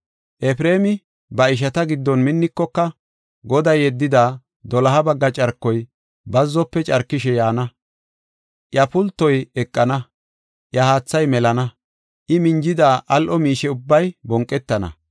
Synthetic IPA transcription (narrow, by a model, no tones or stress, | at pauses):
ʔɛpɾe̞ːmɪ | bɐɪʃ̬ɐt̪ɐɡɪd̪ːɔnmɪnːɪkːɔkːɐ | ɡɔd̪ɐjɛd̪ːɪd̪aː | d̪ɔlɐɦɐbɐɡːɐt͡ʃʼɐɾkːɔj | bɐzːɔpːɛt͡ʃʼɐɾkːɪʃɛjaːnɐ | ʔjɐpʊlt̪ːɔjɛkʼːɐnɐ | ʔjɐhaːt͡sːɐjmɛlɐnɐ | ʔɪmɪɲd͡ʒɪd̪aːʔɐlʔɔmiːʃɛʊbːɐjbɔŋkʼːɛt̪ːɐnɐ̰